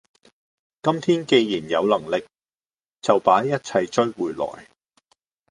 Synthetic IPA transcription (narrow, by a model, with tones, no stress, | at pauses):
kɐ˥mt̪ʰiː˥nke˧jjiː˨˩njɐ˨˧wlɐ˨˩ŋlɪ˨k̚ | t͡sɐ˨wpaː˨˥jjɐ˥t̚t͡sʰɐ˧jt͡ʃɵ˥ɥwuː˨jlɔ̰ː˨˩j